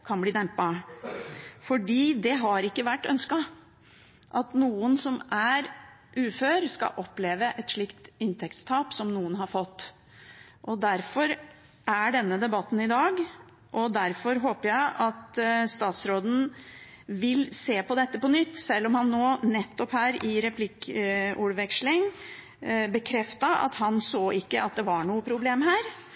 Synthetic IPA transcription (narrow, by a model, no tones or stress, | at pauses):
kʰɑnbliːd̪ɛmpɑ | fɔɖiːd̪ɛɦɑɾɪkːəʋæʈːœ̰nskɑ | ʔɑt̪nuːənsɔmæɾʔʉːføːɾskɑ̰ʔɔpːleːʋəʔɛt̪ʂɭɪkt̪ɪnt̪ʰɛkt̪st̪ʰɑːpsɔmnuːənɦɑɾfɔt̪ː | ʔɔd̪æɾfɔɾ | ʔæɖɛnːəd̪ɛbɑt̪ːn̩ɪd̪ɑːɡ | ʔɔd̪æɾfɔɾɦoːpəjæɪʔɑt̪st̪ɑːt̪sɾoːd̪n̩ | ʋɪlseːpɔd̪ɛt̪ːəpɔnʏt̪ːsɛlːɔmhɑnːoːnɛt̪ːɔphæːɾɪɾɛpʰlɪkʊɽʋɛkʂlɪŋ | bəkʰɾɛft̪ɑɑ̰t̪hɑnsoːʔɪkːəʔɑt̪̚d̪ɛʋɑɳuːəpʰɾʊbleːmɦæːɾ